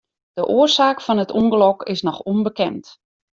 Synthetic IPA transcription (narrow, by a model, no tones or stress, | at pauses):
d̥əʔoərsaːkfɔnətuŋɡəlɔkɪsnɔxunbəkɛnt